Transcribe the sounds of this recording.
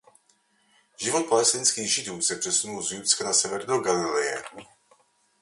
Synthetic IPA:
ʒɪvot̪̚palɛst̪ɪnskiːɣʒɪd̪uːsɛpr̝̥ɛsunulzjut͡skanasɛvɛɾnoɡalɪlɛjɛ

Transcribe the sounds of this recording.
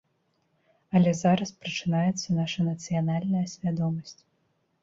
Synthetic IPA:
ɐlʲɛzaɾɐspɾɐt͡ʂɨnajɛt̪sːɐnaʂɐnɐt̪sɨjanalʲnɐjɐsʲvʲad̪ɔmɐsʲt͡sʲ

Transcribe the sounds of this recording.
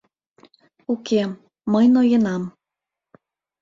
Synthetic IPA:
uke | məjnojənɑm

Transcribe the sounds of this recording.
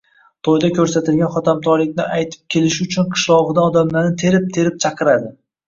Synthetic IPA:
t̪ʰojd̪akʲʰɵɾsat̪ɪlɡʲanχɒt̪ʰamt̪ʰɒɾlɪkʲnɪajt̪ʰɪ̥p̚kʲʰe̞lɪʃɪʊt͡ʃʰʊnqʰɨ̥ʃlˠɒʁɨd̪aɒd̪amlaɾnɪt̪ʰe̞ɾɪp̚t̪ʰe̞ɾɪp̚t͡ʃʰɑqʰɨɾad̪ɪ

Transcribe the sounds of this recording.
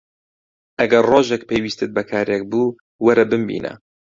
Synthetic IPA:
ʔɐɡɐrroːʒek̚pʰejwiːst̪ɨt̪̚bɐkʰaːɾek̚buː | wɐɾɐbɨmbḭːnɐ̰

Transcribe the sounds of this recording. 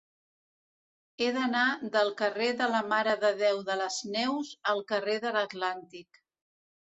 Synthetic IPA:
eðənaðəlˠkəreðələmaɾəðəðɛwðələznɛwzəlˠkəreðələt̪lant̪ik

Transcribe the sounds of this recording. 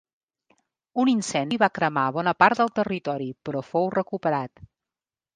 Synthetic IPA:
uninsɛnd̪iβakɾəmaβɔnəpaɾt̪̚d̪əlˠt̪ərit̪ɔɾipɾɔfowrəkupəɾat̪

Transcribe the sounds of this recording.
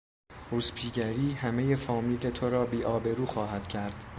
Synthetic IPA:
uːspʰiːɟæɾiːhæme̞je̞fɒːmiːle̞t̪ʰoɾɒːbiːʔɒːbe̞ɾuːxɒːhæd̪̥cʰæɾd̪̥

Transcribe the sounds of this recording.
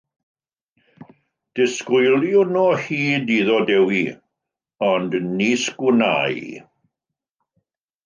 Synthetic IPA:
d̥ɪskʊjlˠjunɔhiːdiːðɔdɛwi | ɔndniːskuna̰j

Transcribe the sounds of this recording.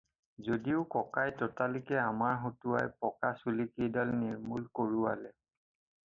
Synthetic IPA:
zodiʊkɔkajtɔtalikɛamaɹɦotuajpɔkasulikijdalniɹmulkoɹua̰lɛ

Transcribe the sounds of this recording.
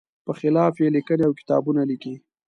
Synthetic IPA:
pəxɪlɑfjelikəneawkɪ̥t̪ɑ̰bunaliki

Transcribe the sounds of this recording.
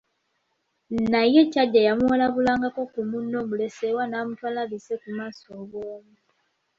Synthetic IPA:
najecaɟajamuolaβulaːŋɡako̞kumunːomulesewanamutwalaβisekumaːsoβoːmu

